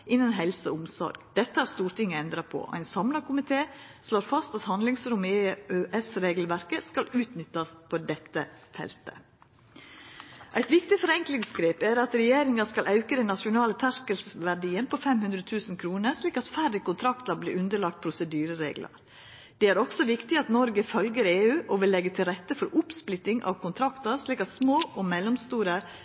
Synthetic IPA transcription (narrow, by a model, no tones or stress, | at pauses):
ʔɪnənɦɛlsəɔʊmsɔ̰ɾɡd̪̥ɛt̪ːəæɾst̪uːɾt̪ɪŋːəɛnd̪ɾɑpʰɔ̰ɔ̰æɪnsɑmlɑɾkʊmɪt̪ʰeːsloːɾfɑst̪ɑt̪hɑnd̪lɪŋsɾʊmeːøʔɛsɾeːɡlʋæɾkəskɑlʉːt̪nʏt̪ːɑspʰod̪ɛt̪ːəfɛ̰lt̪ə̰ | ʔæɪt̪ʋɪkt̪ɪfɔɾɛŋklɪŋsɡɾeːpæɾɑt̪ɾɛjeːɾɪŋɑskɑlʔɑʉkəd̪ɛnːɑʃʊnɑːlət̪ʰæʂkəlsʋæɖiːənpʰɔfɛmhʉnd̪ɾət̪ʰʉːsnkʰɾuːnəɾʂliːkɑt̪fæɾəkʊnt̪ʰɾɑkt̪ɑɾblḭːɾʉnd̪əɭɑk̚t̪̚pʰɾʊsəd̪yːɾəɾḛːɡlə̰ɾ | d̪̥ɛæɾɔksɔʋɪkt̪ɪɑt̪nɔɾɡəfœlɡəɾeːʉːʔɔʋɪlːɛɡːət̪ʰɪlɾɛt̪ːəfɔɾʔʊpsplɪt̪ːɪŋʔɑ̰ʋkʰʊnt̪ʰɾɑkt̪ɑɾʂliːkɑt̪smoːʔɔmɛlːɔmst̪uːɾə